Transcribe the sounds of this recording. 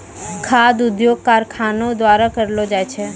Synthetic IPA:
kʰaːd̪ʊd̪joːɡ̚kaːɾkʰaːnõd̪wʋaːɾakəɾlod͡ʒaːjt͡ʃʰe

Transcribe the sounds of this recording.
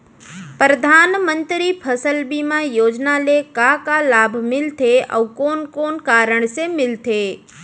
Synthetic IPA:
pɾəd̪ʱanmənt̪ɾipʰəsəlbimãjoːd͡ʒnalekakalabʱmɪlt̪ʰeʔə̰ʋkonkonkaɾəɳ̃semɪlt̪ʰe

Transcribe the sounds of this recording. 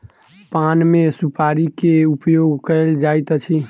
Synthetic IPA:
panmesupaɾikeupjoɡkəɪld͡ʒajt̪ət͡ʃʰi

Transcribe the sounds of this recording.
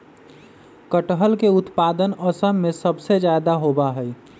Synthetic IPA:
kəʈɦəlkeut̪pad̪ənəsəmːesəbsed͡ʒad̪aɦobaɦəj

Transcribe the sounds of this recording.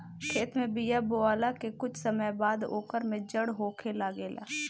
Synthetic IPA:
kʰeːt̪mẽbijaboaːlakekʊt͡ʃʰsəməjbaːd̪o̰ːkəɾmẽd͡ʒəɽɦoːkʰelaːɡeːlʔa̰ː

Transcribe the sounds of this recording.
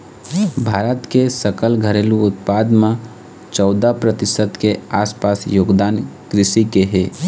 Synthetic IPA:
bʱaːɾət̪kesəkəlɡʱəɾeːluʊt̪̚paːd̪mã | t͡ʃɔːd̪apɾət̪ɪsət̪keaːspaːsjoːɡd̪aːnkɾɪʃikeɦeː

